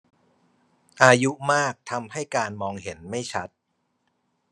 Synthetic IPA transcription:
ʔaː˧ju˦˥maː˥˩k̚t̪ʰa˧mha˥˩jkaː˧nmɔː˧ŋɦe˩˦nma˥˩jt͡ɕʰa˦˥t̪̚

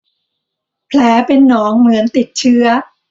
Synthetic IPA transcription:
pʰlɛː˩˦pe˧nːɔː˦˥ŋmɯ˩˦ənt̪i˨˩t̪̚t͡ɕʰɯ˦˥ɐ

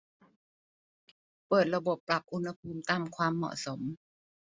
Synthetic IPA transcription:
pɤː˨˩t̪̚la˧bo˨˩pːɾa˨˩p̚ʔu˧nha˧pʰuː˧mt̪aː˧mkʰwaː˧mːɔ̰˨˩so˩˦m

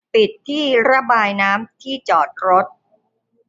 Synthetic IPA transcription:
pi˨˩t̪ʰːiː˥˩ɾa˦˥baː˧jnaː˦˥mt̪ʰiː˥˩t͡ɕɔː˨˩t̪̚ɾo˦˥t̪̚

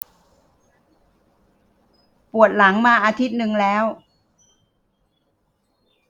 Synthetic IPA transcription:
pu˨˩ət̪̚la˩˦ŋmaː˧ʔaː˧t̪ʰi˦˥t̪̚nɯ˧ŋlɛː˦˥w

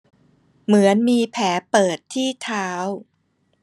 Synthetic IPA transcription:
mɯ˩˦ənmiː˧pʰɛː˩˦pɤː˨˩t̪ʰːiː˥˩t̪ʰaː˦˥w

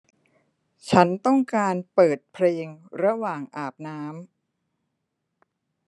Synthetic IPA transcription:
t͡ɕʰa˦˥nt̪ɔ˥˩ŋkaː˧npɤː˨˩t̪̚pʰleː˧ŋɾa˧waː˨˩ŋʔaː˨˩p̚naː˦˥m

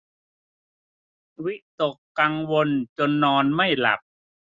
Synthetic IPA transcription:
wi˦˥ʔt̪o˨˩kːa˧ŋwo˧nt͡ɕo˧nːɔː˧nma˥˩jla̰˨˩p̚

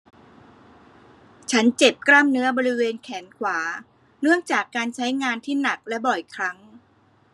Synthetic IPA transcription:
t͡ɕʰa˦˥nt͡ɕe˨˩p̚kɾa˥˩mnɯ˦˥ɐbɔː˧ɾi˦˥weː˧nkʰɛː˩˦nkʰwaː˩˦ | nɯ˥˩əŋt͡ɕaː˨˩kːaː˧nt͡ɕʰa˦˥jŋaː˧nt̪ʰiː˥˩na˨˩k̚lɛ˦˥bɔ˨˩jkʰɾa˦˥ŋ

